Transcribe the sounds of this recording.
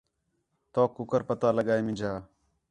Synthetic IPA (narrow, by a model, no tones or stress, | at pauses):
t̪oːkʊkəɾpət̪aːləɡaːemɪ̃d͡ʒʱaː